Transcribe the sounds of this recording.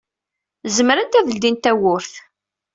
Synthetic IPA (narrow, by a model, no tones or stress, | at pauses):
zəmɾənt̪æðəld̪int̪æwʊɾθ